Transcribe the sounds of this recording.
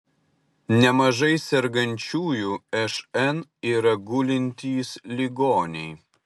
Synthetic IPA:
nʲɛmɐʒɐɪsʲɛɾɡɐnʲt͡ʃʲuːjuːɛʃɛniːɾɐɡʊlʲɪnʲt̪ʲiːslʲiɡoːnʲɛɪ

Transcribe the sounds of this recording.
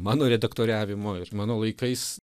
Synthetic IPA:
mɑːnoːɾʲɛd̪ɐkt̪oːɾʲæːʋʲɪmoːɪɾmɑːnoːlˠɐɪkɐɪs

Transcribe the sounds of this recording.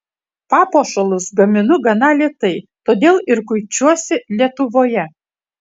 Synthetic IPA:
pɑːpoːʃɐlˠʊsɡɐmʲɪnʊɡɐnɑlʲiɛt̪ɐɪt̪oːd̪ʲeːlˠɪɾkʊɪt͡ʃʲuɔsʲɪlʲiɛt̪ʊʋoːjɛ

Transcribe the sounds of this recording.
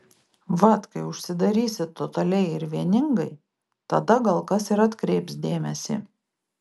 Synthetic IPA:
ʋɐt̪kɐɪʊʃʲsʲɪd̪ɐɾʲiːsʲɪtt̪ːot̪ɐlʲɛɪɪɾʋʲiɛnʲɪŋɡɐɪ | t̪ɐd̪ɐɡɐlˠkɐsɪɾɐt̪kɾʲɛɪpsd̪ʲeːmʲɛsʲḭ

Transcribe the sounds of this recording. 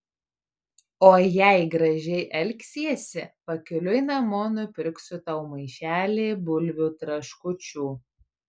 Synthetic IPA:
oːjæɪɡɾɐʒʲɛɪʔɛlʲksʲiɛsʲɪpɐkʲʊlʲʊɪnɐmoːnʊpʲɾʲʊksʲʊt̪ɐʊmɐɪʃʲæːlʲeːbʊlʲʋʲuːt̪ɾɐʃkʊt͡ʃʲuː

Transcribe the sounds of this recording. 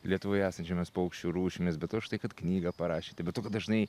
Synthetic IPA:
lʲiɛt̪ʊʋoːjæːsɐnʲt͡ʃʲɛmʲɪspoɐʊkʃʲt͡ʃʲuːɾuːʃʲɪmʲɪsbʲɛt̪toʃt̪ɐɪkɐt̪knʲiːɡɐpɐɾɑːʃʲiːt̪ʲɪbʲɛt̪toːkɐd̪ɐʒnɐɪ

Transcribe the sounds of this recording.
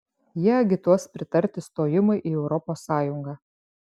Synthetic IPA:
jiɛɐɡʲɪt̪uɔspʲɾʲɪt̪ɐɾʲt̪ʲɪst̪oːjɪmɐɪʔiːɛʊɾɔpoːsːɑːjʊŋɡɑː

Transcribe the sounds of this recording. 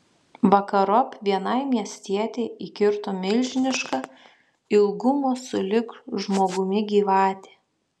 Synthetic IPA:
ʋɐkɐɾɔpʲʋʲiɛnɐɪmʲiɛsʲt̪ʲiɛt̪ʲɛɪʔiːkʲɪɾt̪oːmʲɪlʲʒʲɪnʲɪʃkɐ | ɪlˠɡʊmoːsʊlʲɪkʒmoːɡʊmʲɪɡʲiːʋɑːt̪ʲe̥

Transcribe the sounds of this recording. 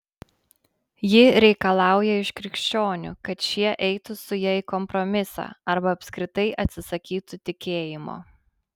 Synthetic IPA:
jɪɾʲɛɪkɐlˠɑˑʊjɛɪʃkɾʲɪkʃʲt͡ʃʲoːnʲʊ̰kɐt̪ʃʲiɛʔɛɪt̪ʊsʊjɛɪkɔmpɾɔmʲɪsɑ̰ːɐɾbɐːpʲskɾʲɪt̪ɐɪʔɐt̪ʲsʲɪsɐkʲiːt̪ʊt̪ʲɪkʲeːjɪmo̰ː

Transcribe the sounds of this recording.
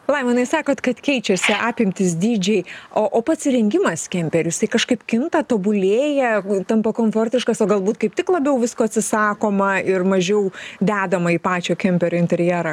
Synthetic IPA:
lˠɐɪmɐnɐɪsɑːkoːt̪kɐt̪kʲɛɪt͡ʃʲɛsʲɪʔɑːpʲɪmʲt̪ʲɪs̬d̪ʲiːd͡ʒʲɛɪoːʔoːpɐt̪sʲɾʲɛŋʲɡʲɪmɐskʲɛmʲpʲɛɾʲʊjɪsɐɪkɐʃkɐɪpkʲɪnt̪ɐt̪oːbʊlʲeːjɛt̪ɐmpɐkoːmfoːrʲtʲɪʃkɐsoːɡɐlˠbuːt̪kɐɪp̚t̪ʲɪklˠɐbʲɛʊʋʲɪskoːɐtʲsʲɪsɑːkoːmɐɪrmɐʒʲɛʊd̪ʲæːd̪ɐmɐiːpɑːt͡ʃʲoːkʲɛmʲpʲɛɾʲoːɪnʲt̪ʲɛɾʲjɛɾɐ

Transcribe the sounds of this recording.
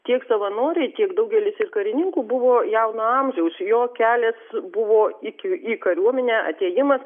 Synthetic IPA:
t̪ʲiɛksɐʋɐnoːɾʲɛɪt̪ʲiɛkd̪ɐʊɡʲɛlʲɪsɪrkɐɾʲɪnʲɪŋkuːbʊʋoːjɛʊnoɐmʲʒʲɛʊsjoːkʲæːlʲeːsbʊʋoːɪkʲɪiːkɐɾʲuɔmʲɛnʲæːʔɐ̰t̪ʲeːjɪmɐs

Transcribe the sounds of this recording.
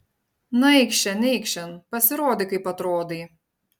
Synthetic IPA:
nɐɪkʃʲt͡ʃʲɛnʲɛɪkʃʲt͡ʃʲɛnpɐsʲɪɾoːd̪ʲɪkɐɪpɐt̪ɾoːd̪ʲiː

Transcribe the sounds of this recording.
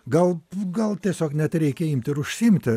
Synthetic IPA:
ɡɐlˠɡɐlˠt̪ʲiɛsʲoːknʲɛt̪ɾʲɛɪkʲɛɪmʲt̪ʲɪɾʊʃʲsʲɪɪmʲt̪ʲɪ

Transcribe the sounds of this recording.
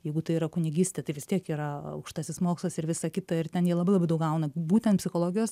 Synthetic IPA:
jɛɪɡʊt̪ɐɪiːɾɐkʊnʲɪɡʲisʲt̪ʲɛt̪ɐɪʋʲɪst̪ʲiɛkiːɾɐɐ̰ʊkʃt̪ɑːsʲɪsmoːkslˠɐsɪɾʋʲɪsɐkʲɪt̪ɐɪrt̪ʲɛnjiɛlˠɐbɐɪlˠbɐɪd̪ɐʊkɡɐʊnɐbuːt̪ʲɛnt̪pʲsʲɪxoːlˠoːɡʲɪjoːs

